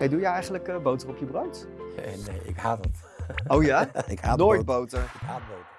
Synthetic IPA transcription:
ejdujəɛjχənləkəbowtərɔpjəbrowtnejɪ̰kɦaːtətowjjaːɪkaːnoːjt̚bowtəɹɪkɦaːbowə

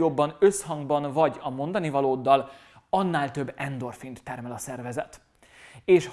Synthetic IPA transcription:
obːɒnø̞shɒŋɡbɒnvɒɟɒmo̞nd̪ɒnivɒloːd̪ːɒl | ɒnːaːlt̪ø̞bːɛnd̪o̞rfint̪ːɛrmɛlɒsɛrvɛzɛt̪ | eːʃ

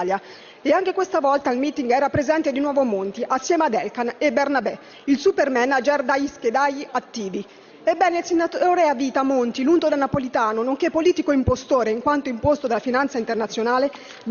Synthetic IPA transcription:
lja | eaŋk̟ekwest̪avɔlt̪ailmiːt̪iŋɡɛːɾapɾezɛnt̪ed̪inwɔːvomont̪iʔasːjɛːmad̪ɛlkanebernabɛ | ilsupermɛnad͡ʒerd̪ajisked̪ajat̪ːiːvi | ebːɛːneilsenːat̪oːɾeaviːt̪amont̪ilunt̪od̪elnapolit̪aːnonoŋkepːoliːt̪ikoimpost̪oːɾeiŋkwant̪oimpost̪od̪elafinant̪saint̪ernat̪sːjonaːle

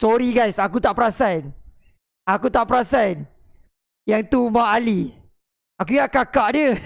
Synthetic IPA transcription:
sɔɾiɡajsakut̪aʔpəɾasan | akut̪aʔpəɾasan | jaŋt̪umaʔali | akuŋaʔkakaʔdiə

